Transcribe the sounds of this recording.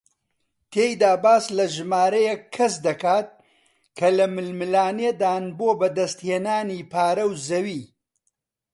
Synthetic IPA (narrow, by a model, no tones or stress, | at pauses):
t̪ʰeːjd̪aːbaːslɐʒɨmaːɾɐjekʰːɐs̬d̪ɐkaːt̪̚ | kʰɐlɐmɨlmɨlaːned̪aːnboːbɐd̪ɐst̪heːnaːniːpʰaːɾɐwzɐwiː